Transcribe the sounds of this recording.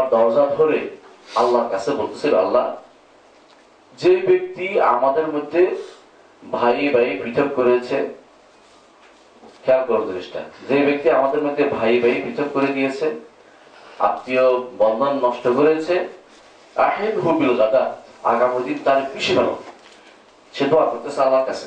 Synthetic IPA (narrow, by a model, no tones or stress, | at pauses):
ɾd̪ɔɾd͡ʑad̪ʱoɾe | alːaɾkat͡ɕʰebolt̪e̥sʰelalːa | d͡ʑebek̚t̪ia̰mad̪eɾmod̪ʱːe | bʱajbʱaibʱɾit̪ʰob̚koɾet͡ɕʰe | kʰɛakɔɾd͡ʑoɾiʃʈʰa̰d͡ʑebek̚t̪iamad̪eɾmod̪ʱːebʱajbʱaibʱɾit̪ʰob̚koɾed̪ijet͡ɕʰe | a̰t̪ːijobɔnd̪ʱonːɔʃʈokoɾet͡ɕʰe | a̰ħed̪ɦubilɣad̪aa̰ɡamid̪int̪aɾpiʃibʱalo̰ | ʃed̪oakoɾt̪et͡ɕʰealːaɾkat͡ɕʰe̥